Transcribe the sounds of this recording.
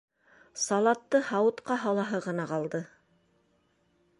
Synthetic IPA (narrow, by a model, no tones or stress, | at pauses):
sɑlˠɑt̪ːɤhɑwɤ̆t̪qɑɦɑlˠɑɦɤʁɤ̆nɑqɑlˠd̪ɤ